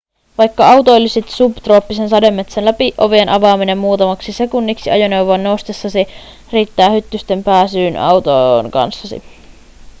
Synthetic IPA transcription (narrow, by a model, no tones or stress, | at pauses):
ʋɑjkːɑɑwt̪ojlːisit̪supt̪roːpːisensɑde̞mːe̞t̪senlæpiʔo̞̰ʋienʔɑʋɑːmine̞mːuːt̪ɑmɑksise̞kunːiksiɑjoneuwʋoɑnːowst̪esːɑsi | riːt̪ːæːhyt̪ːyst̪e̞mpæːsyːnɑ̰wt̪oŋkɑ̰nsːɑsḭ